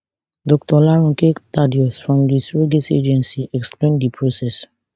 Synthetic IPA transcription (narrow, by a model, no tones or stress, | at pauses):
dɔk̚tɔlaɹɔ̃ŋketadiɔsfɹɔ̃mdisɹoɡesḛd͡ʒɛ̃nsiɛksplẽndipʰɹosɛs